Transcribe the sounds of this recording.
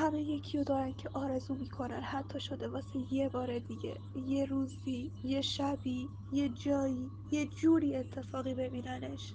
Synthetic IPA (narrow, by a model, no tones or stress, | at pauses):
hæme̞jecʰijod̪ɒːɾæncʰe̞ʔɒːɾe̞zuːmiːkʰo̞nænhæt̪ʰːɒːʃo̞d̪e̞vɒːsejebɒːɾed̪iɟe̞̰ | jeɾuːziːje̞ʃæbiː | je̞d͡ʒɒːiː | je̞d͡ʒuːɾiːet̪ʰːe̞fɒːɣiːbe̞biːnæneʃ